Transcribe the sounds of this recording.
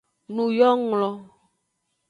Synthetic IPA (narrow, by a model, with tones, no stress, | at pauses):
nũ˨jɔ˦ŋlɔ˨